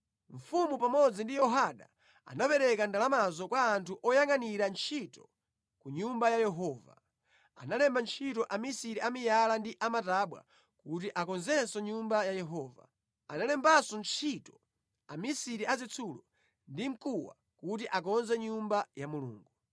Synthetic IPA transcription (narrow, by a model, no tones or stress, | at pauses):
ɱ̩fumupamɔd͡zindijɔɦaɗa̰ | a̰napɛɾɛkandalamazɔkwaːntʰuʔɔjaŋaniɾant͡ʃʰitɔ | kuɲumbajajɛɦɔːva̰ | a̰nalɛmbant͡ʃʰitɔʔamisiɾiʔamijalandiʔamataɓwa̰ | kut̬iʔakɔnzɛsɔɲumbajajɛɦɔːva̰ | analɛmbasɔnt͡ʃʰitɔ̥ | amisiɾiazɛt͡sʰulɔ | ndim̩kuwa̰ | kutiʔak̬ɔnzɛɲumbajamulṵːŋɡu